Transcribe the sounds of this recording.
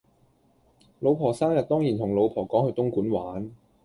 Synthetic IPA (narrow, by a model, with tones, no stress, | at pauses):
lo˨˧wpʰɔː˨˩saː˥mjɐ˨t̚t̪ɔː˥ŋjiː˨˩nt̪ʰʊ˨˩ŋlo˨˧wpʰɔː˨˩kɔː˨˥ŋhɵ˧ɥt̪ʊ˥ŋkuː˨˥nwaː˨˥n